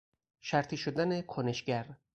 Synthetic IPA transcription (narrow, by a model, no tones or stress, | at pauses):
ʃæɾt̪ʰiːʃod̪ænekʰoneʃɟæɾ